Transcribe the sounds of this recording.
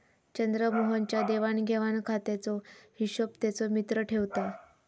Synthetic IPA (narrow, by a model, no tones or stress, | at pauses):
t͡ɕənd̪ɾəmoɦənt͡ɕjad̪eʋanɡʱeʋankʰat̪ɛt͡sɔhiɕəpt̪ɛt͡sɔmit̪ɾəʈʰeʋt̪a